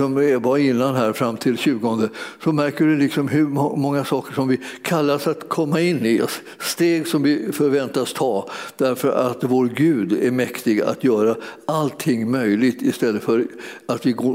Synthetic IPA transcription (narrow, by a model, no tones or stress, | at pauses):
sɔmɛvɑɪnːanɦæːɾfɾamːt̪ʰɪlɕʉ̟ːɡɔnd̪əsɔmæɾkəɖɵlɪksɔmɦɵmɔŋːasɑːkəʂɔmvɪkʰalːasat̪kʰɔmːaɪnːɪɔ̰s | st̪eːɡsɔmvɪfœɾvɛnt̪ast̪ʰɑːd̪̥æɾfœɾat̪voːɾɡʉ̟ːd̪æɾmɛkt̪ɪɡaa̰t̪jœːɾaalt̪ʰɪŋːmœjlɪɡt̪ɪst̪ɛlːəfœɾat̪vɪɡoː